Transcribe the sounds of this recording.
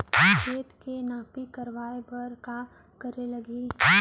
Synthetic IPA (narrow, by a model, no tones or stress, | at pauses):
ʃeːt̪kenaːpikɐɾʋaːepɐɾkaːm | kɐɾelɐɡi